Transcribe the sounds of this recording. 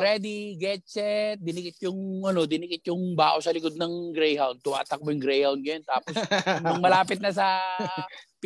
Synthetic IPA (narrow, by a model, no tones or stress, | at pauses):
ɾɛd̪iɡɛt͡ʃɛt̪̚d̪ɪnɪkɪt̪̚jʊŋʔɐno̞d̪ɪnɪkɪt̪̚jʊŋbaːʔosɐlɪkod̪̚nɐŋɡɾɛjhawn̚t̪ʊma̰ːt̪ɐk̚mojʊŋɡɾɛjhawn̚ɡɐjant̪aːposɐŋmɐlaːpɪt̪̚nɐs̬ɐ | p